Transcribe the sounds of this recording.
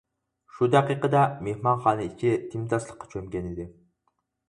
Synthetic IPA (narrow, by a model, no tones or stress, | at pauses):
ʃud̪æqiqəd̪ɑmehmɑnχɑːnɨikʲʰit̪ʰimt̪ɑslˠəqːɑ̥t͡ʃʰømɡʲɛnɪd̪ɪ